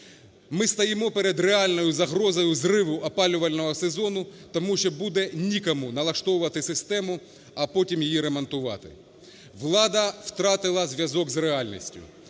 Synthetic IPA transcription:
mɪst̪ɐjɪmɔpeɾed̪ɾeɑlʲnɔjʊzɐɦɾɔzɔjʊzrɪʋʊʔɐpɑlʲʊʋɐlʲnɔɦɔsezɔnʊt̪ɔmuʃɔbud̪ɛnʲikɐmunɐlˠɐʃt̪ɔʋʊʋɐt̪ɪsɪst̪ɛmʊ | ɐpɔtʲimjijiɾemɐnt̪ʊʋɑ̰t̪ɪ̰ | ʋlˠɑd̪ɐwt̪ɾɑt̪ɪlˠɐzʲʋʲjɐzɔɡzreɑlʲnʲḭsʲtʲʊ̰

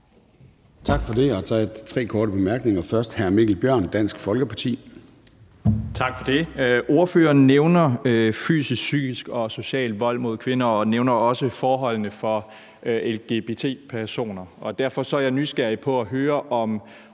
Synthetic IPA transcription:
t͡sʰɑ̈ɡ̥fɒ̽de̝ɒt͡sʰɛ̰d̥t͡sʰʁɛ̰ːkʰɒːɾəb̥e̝mæɐɡ̥ne̝ŋɐfɶɐsd̥hæɐme̝ɡ̥l̩b̥jɶɐ̰nd̥æn̰sɡ̥fɒ̽lɡ̥əpʰɑ̈t͡sʰḭː | t͡sʰɑ̈ɡ̥fɒ̽d̥e̝ʔo̝ɐføːɐːnːeʊnɐfy̰ːsissy̰ːɡ̥isɡ̥ɒ̽so̝ɕɛ̰ːld̥ʋɒ̽l̰mo̝ð̞̰ˠkʰʋe̝nɐɒ̽neʊnɐɒ̽səfɒːɦɒ̽l̰nəfɒ̽ | ʔelɡ̥e̝b̥e̝t͡sʰe̝̰ːpʰæɐso̝̰ːnɐɒ̽d̥æɐfɒ̽sɒ̽æɐjɑ̈ɪnysɡ̥æɐ̰ipʰɒ̽æɦøːɐʔɒ̽m

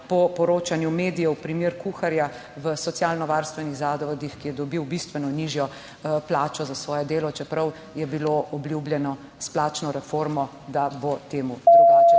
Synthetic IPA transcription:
pɔpɔɾoːt͡ʃanjumeːd̪ijɛwpɾimeːɾkuxaɾja | ʋəsɔt̪sjalnɔʋaɾst̪ʋɛniɣzad̪ɔʋɔd̪ixkijɛd̪ɔbiwbist̪ʋɛnɔniʒjɔ | plaːt͡ʃɔzasʋɔːjɛd̪eːlɔt͡ʃɛpɾɐw | jɛbiloʔɔbljubljɛnɔ | splaːt͡ʃnɔɾɛfoɾmɔ | d̪abot̪eːmud̪ɔɡat͡ʃ

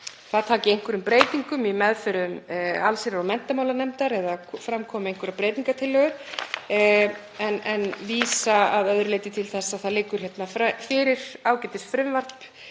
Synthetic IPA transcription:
θaðt̪ʰaːcɪejŋ̥kvʏɾʏmpɾeːjt̪iŋkʏmimɛðfʏɾʏma̰lsɪɾaɾawmɛn̥t̪amawlanɛmt̪aɾɛðafɾamkʰɔːmɪejŋ̥kvʏɾapɾeːjt̪niŋkat̪ʰɪlːœːɣʏɾ̥ | ɛnɛnviːsaaðœðɾleːjt̪ɪt̪ʰɪlθɛsːaðθaðlɪkːʏɾ̥hjɛt̪nafafɪɾɪɾ̥aːwcɛjt̪ɪst̪fɾʏmvar̥p

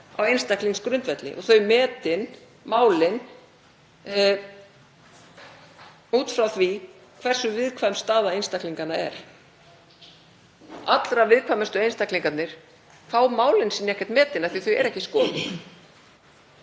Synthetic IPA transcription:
a̰wejnst̪akliŋskɾʏnt̪vɛt̪lɪ̰ʔɔ̰ɣθœɥjmɛːt̪ɪn | maːwlɪn | uːt̪fɾawθvi | kʰv̥ɛr̥sʏvɪðkʰvajmst̪aːðaejnst̪akliŋkanaɛ̰ɾ̥ | at̪lɾavɪðkʰvamʏst̪ʏejnst̪akliŋkat̪nɪɾ̥ | kʰfaːwmaːwlɪnsiːnːɛhcːɛ̥ɾt̪mɛːt̪ɪnaθiθœɥɛ̰ɾɛhcɪskɔːðɪ

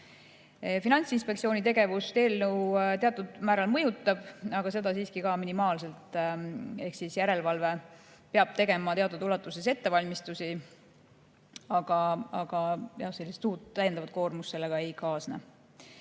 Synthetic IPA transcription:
finɑnʲt̪sinspekt̪sio̞ːnʲit̪e̞ɡe̞vust̪e̞ːlnuwt̪e̞ɑt̪ːˑud̪̥mæːɾɑlmɤjut̪ːˑɑb̥ɑɡ̥ɑse̞d̪ɑsiːskikɑminimɑːlse̞lt̪ | e̞hksisjæɾe̞lvɑlve̞ | peɑb̥̚t̪e̞ɡe̞mɑt̪eɑt̪ːˑud̪ulɑt̪ːˑus̬ese̞t̪ːe̞vɑlʲmist̪usi | ɑɡ̥ɑɑɡ̥ɑjɑhse̞lʲːist̪uːt̪ːæjend̪ɑvɑt̪ko̞ːrmusse̞lːeɡ̥ɑe̞jkɑːsnɑ̰

